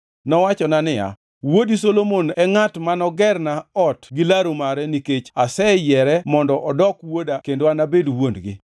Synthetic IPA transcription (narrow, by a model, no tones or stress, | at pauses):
nɔwat͡ʃɔnanɪa̰ | wodisolomonɛŋatmanɔɡɛrnaɔtɡilaɾomaɾɛniket͡ʃasɛjɛɾɛmɔndɔʔɔdɔkwodakendoanabedwondɡɪ̰